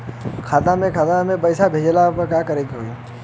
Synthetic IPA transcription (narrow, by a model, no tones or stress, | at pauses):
kʰaːt̪amẽkʰaːt̪amẽpəɪsabʱeːd͡ʒlapɐkakəɾeːkiɦoːi